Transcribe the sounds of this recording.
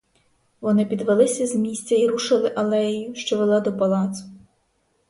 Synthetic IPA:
ʋɔnɪpʲid̪ʋelˠɪsʲɐzmʲisʲt͡sʲɐiɾuʃɪlˠɪʔɐlˠɛjijʊʃt͡ʃɔʋelˠɑd̪ɔpɐlˠɑt̪sʊ̥

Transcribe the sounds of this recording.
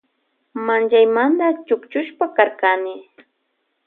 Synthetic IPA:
mant͡ʃajmand̪at͡ʃʊkt͡ʃʊʃpakaɾkanɪ

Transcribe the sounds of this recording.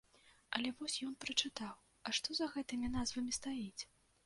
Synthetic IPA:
ɐlʲɛvɔsʲjɔn̪pɾɐt͡ʂɨt̪aw | ɐʂt̪ɔzɐɣɛt̪ɨmʲin̪azvɐmʲist̪ajit͡sʲ

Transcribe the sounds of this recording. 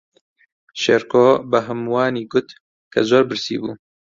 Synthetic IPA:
ʃeɾkoːbɐɦɨmwaːniːɡʊt̪ | kʰɐzoːɾbɨɾsḭːbṵː

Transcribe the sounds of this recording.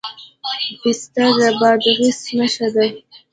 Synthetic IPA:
bɪst̪aɡabɑd̪ɣɪsnaʃad̪aj

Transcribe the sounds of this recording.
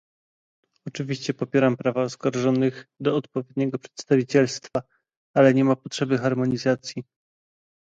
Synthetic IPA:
ɔt͡ʂɘvʲiɕt͡ɕɛpɔpʲjɛɾampɾavaɔskaɾʐɔnɘxd̪ɔːt̪pɔvʲjɛd̪ɲɛɡɔpʂɛ̥t̪st̪avʲit͡ɕɛlst̪fa | alɛɲɛmapɔtʂɛbɘxaɾmɔɲizat̪sʲji

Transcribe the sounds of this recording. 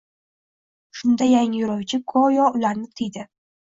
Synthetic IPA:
ʃʊnd̪ajaŋɪjʊɾawt͡ʃʰɪkʰɒjɒʊlaɾnɪt̪ʰɪjd̪ɪ

